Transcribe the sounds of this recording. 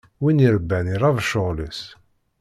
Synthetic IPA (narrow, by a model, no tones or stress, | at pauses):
winiɾəbːæniɾˤɑvʃəʁləs